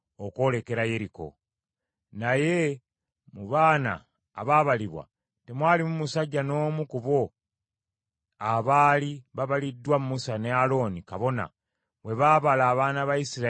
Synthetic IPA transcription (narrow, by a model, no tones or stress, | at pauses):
oko̞ːle̞ke̞ɾaje̞ɾiko̞̰ | naje̞ | muβaːna̰ː | βaːβaliβwa̰ | te̞mwaːlimumusaɟːano̞ːmukuβo̞ | aβaːliβaβalidːwamumusane̞alo̞ːnikaβo̞na̰ | we̞βaːβalaːβaːnaβajisiɾa